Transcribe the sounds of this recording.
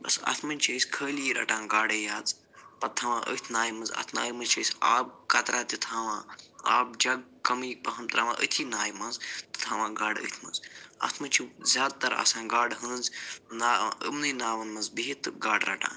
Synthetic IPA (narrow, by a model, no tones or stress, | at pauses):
bɐsɐ̰t̪ʰmɐnʲt͡ʃʰəːsʲkʰəːliɾɐ̰ʈãːɡaːɽeːjaːd͡z | pɐt̪ʰːɐʋãːʔə̰t̪ʰnaːjmɐzɐ̰t̪ʰna̰ːjmɐt͡ʃʰəːsʲaːb̚kɐt̪ɾaːt̪it̪ʰãːʋãːa̰ːb̚d͡ʒɐɡ̚kɐmipɐɦɐmt̪ɾɐʋã̰ːʔə̰t̪ʰiːnaːjmɐ̃nzt̪ɨ̥t̪ʰaːʋãːɡaːɖə̰t̪ʰmɐ̰zɐ̰t̪ʰmɐnʲt͡ʃʰizʲaːd̪̚t̪ɐɾa̰sãːɡaːɖɦɐnznaːə̰mnɨːnaːʋɐnmɐzbiɦit̪ːɨɡaːɖɾɐ̰ʈã̰ːn